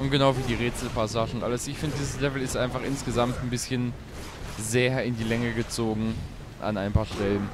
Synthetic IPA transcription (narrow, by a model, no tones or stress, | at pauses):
ʔʊntɡ̥ənaʊviːdiːʁeːt͡sl̩pasaːʒənʊntʔa̰ləsɪçfɪndədiːzəslɛvl̩ɪstʔaɪnfaχʔɪnsɡ̥əzamtn̩bɪsçən | zeːɐɪndiːlɛŋəɡət͡soːɡŋ̩ | ʔa̰naɪnpʰaːɐʃtɛlən